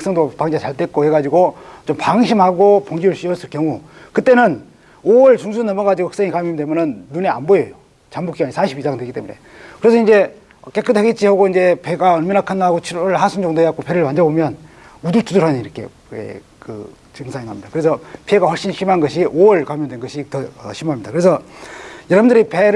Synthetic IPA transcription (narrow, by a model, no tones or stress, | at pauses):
peks͈ʌŋdopaŋd͡ʑet͡ɕaɭt͈et̚k͈ohe̞ɡad͡ʑiɡot͡ɕompaŋɕ̬ʰimhaɡopoŋɡiuɭɕ͈iʌs͈ʰɯɭkjʌŋu | kɯt͈enɯn | owʌɭt͡ɕuŋsʰunnːʌmʌɡad͡ʑiɡohʌ̥ks͈eŋikamjʌmdemʌnɯnːunea̰nbojʌjo | t͡ɕambuk͈iɡaɲisʰaɕʰibisʰaŋdwe̞ɡit͈emune̞̰ | kɯɾe̞sʰʌind͡ʑe̞ | ʌk͈e̞k͈ʰːɯtʰeɡit͡ɕ͈ʰihoɡoind͡ʑe̞pe̞ɡaʌɭminakʰanaɡot͡ɕʰiɾʌɭɦasʰund͡ʑoŋdoeak͈ope̞ɾɯɭmand͡ʑʌbomjʌn | udutʰuduɾɦaniɾʌkʰe̞̰ | ḛ | kɯ̰ | t͡ɕɯŋsʰainɦamɲidakɯɾe̞sʰʌpʰie̞ɡaɸwʌɭɕ͈inɕʰimanɡʌɕʰiʔowʌɭkamjʌmdwenɡʌɕʰitʌʌɕʰimamɲidakɯɾe̞sʰʌjʌɾabundɯɾipeɾ